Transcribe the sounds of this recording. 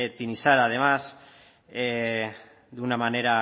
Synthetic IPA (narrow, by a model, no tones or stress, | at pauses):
et̪inisaɾað̞emas | e | d̪unamaneɾa